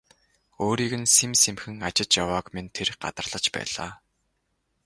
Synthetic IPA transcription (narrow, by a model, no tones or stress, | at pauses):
oːɾiːɣɘ̆nsemsemxɘ̆ŋat͡ɕɪ̆t͡ɕjawaːkmint̪ʰerɢa̰t̪ə̆rɮ̥ə̆t͡ɕpæ̰ːɮ̥a̰ː